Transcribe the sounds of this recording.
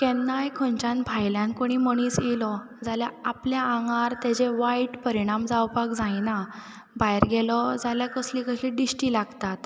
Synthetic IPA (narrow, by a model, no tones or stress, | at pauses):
kɛnːajkʰõɲt͡ɕãnbʱajljãnkoɽ̃iːməɽ̃iːt͡sjelɔ | d͡zaljaapljãːŋɡaɾt̪at͡ɕeʋaiʈpəɾiɽ̃amd͡zawpakd͡zajna | bajɾɡɛlɔd͡zaljakəslikəɕiɖisʈilaɡt̪at̪